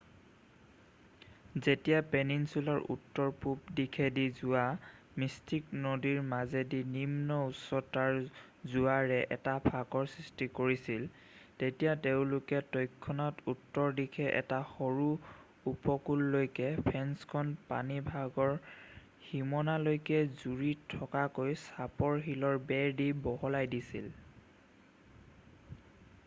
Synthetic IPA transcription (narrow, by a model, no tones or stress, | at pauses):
zetijapeninsulaɹṵtːɔɹpup̚dikʰɛdizua | mistiknodiɹmazedinimnɔusɔtaɹ | zuaɹɛʔɛ̰tapʰakɔɹsɹistikoɹisil | tetijateʊ̃lʊkɛtojkʰːɔnɔtutːɔɹdikʰɛʔɛ̰taxoɹu | upɔkulːojkɛpʰɛnskʰɔnpa̰nibʱaɡɔɹ | ximɔnalojkɛzuɹitʰɔkakojsapɔɹɦilɔɹbɛɹdibɔɦɔlajdisḭl